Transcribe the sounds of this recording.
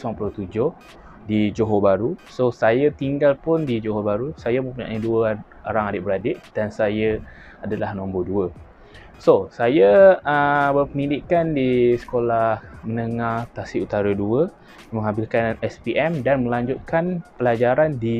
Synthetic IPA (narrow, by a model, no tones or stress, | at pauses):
suaŋpulot̪ud͡ʒʊh | did͡ʒoɦobaɾusosajat̪iŋɡalpʊndid͡ʒoɦobaɾusajamə̃mpuɲa̰ʔiduə | oɾaŋadɪʔbəɾadɪʔd̥ansajə | adəlahnõmboduə | sosajəəbərpənidikandisə̥kolahmənəŋart̪asiut̪aɾəduə | mə̃ŋabilkanɛspiʔɛmdanmə̃laɲd͡ʒʊt̪̚kanpəlad͡ʒaɾandi